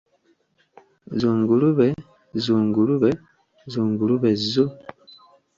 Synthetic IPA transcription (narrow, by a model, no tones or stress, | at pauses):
zuːŋɡuluβe | zuːŋɡuluβe | zuːŋɡuluβe̞zːu